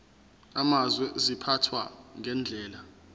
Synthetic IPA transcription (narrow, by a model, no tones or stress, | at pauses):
amazwɛʔzipʰatʰwa̰ŋɛnd͡ɮʱɛːla